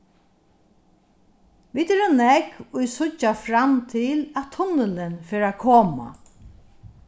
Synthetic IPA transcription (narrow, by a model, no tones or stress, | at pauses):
ʋiːt̪ɛɾɔnɛkʊjsʊt͡ʃːafɾamt̪ʰɪlæt̪ʰʊnəlɪnfɛːɾakʰɔːma̰